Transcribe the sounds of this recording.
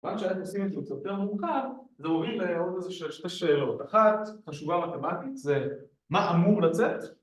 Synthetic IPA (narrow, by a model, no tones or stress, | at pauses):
vanʃeanaχnuosimetzusjoteʁmuʁkavzemovileodezeʃelʃte̞ʃeːlo̞t̪aχat̪χaʃuvamat̪e̞mat̪it̪ze | maamuʁlat͡set̪